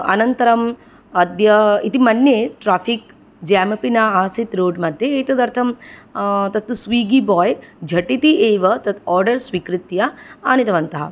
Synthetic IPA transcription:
ɐ̰nɐnt̪ɐɾɐm | ɐd̪jɐit̪imɐnːjeʈɾaːfʰik | d͡ʒaːmɐpinaːaːsit̪ɾoːɖmɐd̪ʱjeeːt̪ɐd̪ɐɾt̪ʰɐm | t̪ɐt̪ːusʋiːɡibɔːjd͡ʒʱɐʈit̪iʔeːʋɐt̪ɐt̪ɔːɾɖɐɾsʋikɾit̪jaaːnit̪ɐʋɐnt̪ɐɦɐ̰

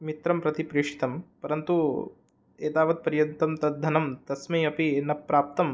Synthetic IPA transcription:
mit̪ɾɐmpɾɐt̪ipɾiːʂi̥t̪ɐmpɐɾɐnt̪u | eːt̪aːʋɐt̪̚pɐɾjɐnt̪ɐmt̪ɐd̪ʱːɐnɐmt̪ɐsmɐɐpienːɐpɾaːp̚t̪ɐm

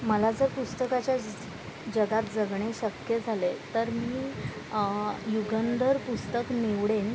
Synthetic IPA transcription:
məlad͡zəɾpust̪əkat͡ɕja | d͡ʑəɡat̪̚d͡zəɡɳ̃eɕəkjəd͡zʱalet̪əɾmiː | juɡənd̪əɾpust̪əkneʋɽen

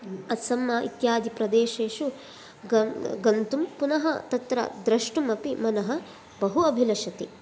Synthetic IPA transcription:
ɐt̪sɐmːaːʔḭt̪jaːd̪ʱipɾɐd̪eːʃeːʃu | ɡɐɡɐnt̪umpunɐɦɐt̪ɐt̪ɾɐ̰d̪ɾɐʂʈumɐpimɐnɐɦɐ̆ | bɐɦuɐbʱilɐʃɐt̪ḭ

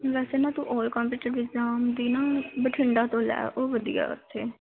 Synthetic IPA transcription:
ʋɛːseːnãːt̪ṵ̃ːʔɔːlkɔ̃ːmpuːʈəɾɪɡzaːmd̪iːnaːbəʈʰɪɳɖaːt̪õːlɛ̰ːʔoːʋəd̪ḭja̰ːə̰t̪ʰːeː

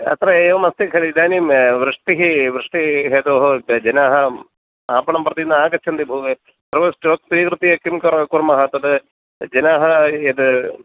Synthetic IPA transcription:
ɐ̰t̪rɐeːʋɐmɐst̪ikʰɐlid̪aːnimʋɾɨʂʈiɦiʋɾɨʂʈiɦeːd̪oːɦod͡ʒɐnaːɦɐ | aːpɐɳɐmprɐt̪inːɐaːkɐt͡ʃʰɐnd̪ibʱuːʋe | pɾɐʋɐsʈoːt̚t̪iːkɾɨt̪ijɐkːimkɐkuɾmɐɦɐt̪ːɐd̪ɨ | d͡ʒɐnaːɦɐed̪ɨ

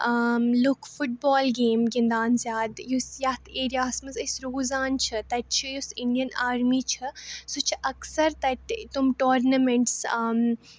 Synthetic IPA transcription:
əmlʊkfʊʈ̚bɔːlɡeːmɡɪnd̪aːnzjaːd̪jusjɐt̪ʰeːɾjaːsmɐzɐsɾoːzaːnt͡ʃʰɨt̪ɐt͡ʃʰɨjusɪɳɖijɐnaːɾmiːt͡ʃʰɨsut͡ʃʰʔɐksɐɾt̪ɐʈt̪umʈoːɾnɐmeɳʈsəm

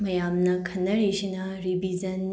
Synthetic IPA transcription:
mɐjamnɐkʰɐnːɐɾid͡ʒinɐɾibʱizɐn

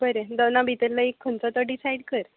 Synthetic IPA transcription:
bəɾed̪ənabʱit̪əɾlaikʰːənt͡sat̪əɖisajɽkəɾ

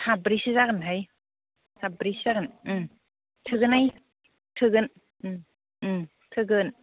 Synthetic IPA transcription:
sʰabɾisizakɯnɦaj | sabɾiszaɡɯnɯ | tʰɯɡɯnaj | tʰɯɡɯn | tʰɯɡɯn

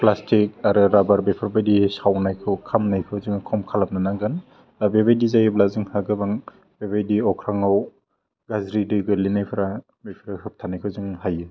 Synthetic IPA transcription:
plastik̚aɾɯɾabaɾbepʰɯɾbajdisawnajkʰɯwkʰamnajkʰɯwzɯŋkʰɔmkʰalap̚nanaɡɯn | abebajdizajɯblazɯŋhaɡɯbaŋ | b̥ebajdiɔkʰɾaŋaw | ɡazɾidɯɡɯlinajpʰɯɾa | bepʰɾahɯp̚tʰanajkʰɯzɯŋhajɯ

